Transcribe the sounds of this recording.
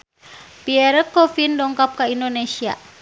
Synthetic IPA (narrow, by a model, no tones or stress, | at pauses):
piɛɾəkɔfindɔŋkap̚kaindonesia̰